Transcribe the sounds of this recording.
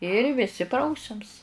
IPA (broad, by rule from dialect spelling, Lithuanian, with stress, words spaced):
ɪr ʋʲɪˈsʲɪ ˈprɐʊsʲɛms